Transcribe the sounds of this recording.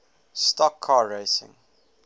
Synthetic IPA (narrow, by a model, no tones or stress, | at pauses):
stɔkʰːɑːɹeɪsɪ̰̃ŋ